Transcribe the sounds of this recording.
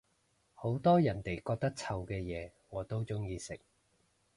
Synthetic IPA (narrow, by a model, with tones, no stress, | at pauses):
ho˨˥wt̪ɔː˥jɐ˨˩nt̪e˨˩jkɔː˧k̚t̪ɐ˥k̚t͡sʰɐ˨wkɛː˧jɛː˨˧ŋɔː˨˧t̪o˥wt͡sʊ˥ŋjiː˧sɪ˨k̚